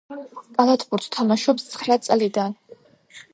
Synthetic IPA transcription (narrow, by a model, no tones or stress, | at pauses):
kʼalˠat̪ʰbuɾt̪ʰt̪ʰamaʃɔpst̪sʰχɾat̪sʼlid̪an